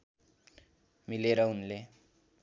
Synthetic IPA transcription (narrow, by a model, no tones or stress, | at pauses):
mileɾʌunle